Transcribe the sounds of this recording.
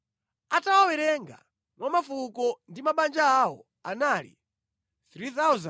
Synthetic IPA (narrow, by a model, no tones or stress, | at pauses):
atawawɛɾɛŋɡa̰ | mwʔamafukɔndimaɓand͡ʒaːwɔ | anaːlḭ | θɾiθawza